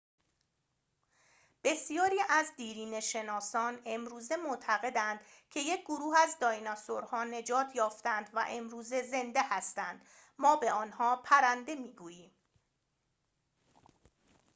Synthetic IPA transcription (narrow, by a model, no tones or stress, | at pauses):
b̥e̞sijɒːɾiːʔæzd̪iːɾiːne̞ʃe̞nɒːsɒːne̞mɾuːze̞mot̪ʰæɣe̞d̪ænd̪̥cʰe̞je̞cʰɡoɾuːhæzd̪ɒːjnɒsoɾhɒːne̞d͡ʒɒːt̪ʰjɒːft̪ænd̪væ̰ʔe̞mɾuːze̞ze̞nd̪ehæst̪ænd̪̥ | mɒːbe̞ɒːnhɒːpʰæɾænd̪e̞miːɡuːjiːm